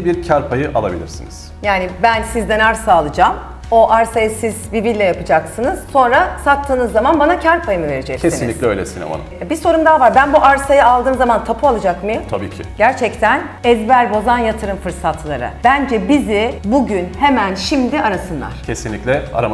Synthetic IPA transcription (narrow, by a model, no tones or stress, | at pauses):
biɾcʰaɾpʰajɯʔa̰lˠa̰bilʲḭɾsiniz̥ | jaːnɪbænsizd̪ɛnaɾsaːlˠɯd͡ʒaːm | o̞ʔaɾsajɯsiz̥vibillːʲɛjapɯd͡ʒaksɯnɯz̥so̞nɾasak̚t̪ʰːɯːnɯzːamanbanacʰaɾpʰajɯmɯve̞ɾid͡ʒɛccʰesiinlʲːiclʲɛøjlʲɛ̰sinɛ̰ma̰na̰biso̞ɾumd̪aːvaɾbænbuʔaɾsajaalˠd̪ɯːmzamant̪ʰapʰualˠɯd͡ʒakmɯjɯt̪ʰabḭːcʰɪ̰ɟæɾt͡ʃʰɛct̪ʰæn | ɛzbæɾbo̞zanjat̪ʰɯɾɯmfɯɾsat̪ʰlˠaɾa̰b̥ænd͡ʒɛbizɪbuɟynhemænʃimd̪iaɾasɯnlˠa̰ɾ̥cʰesinlʲiclʲɛa̰ɾam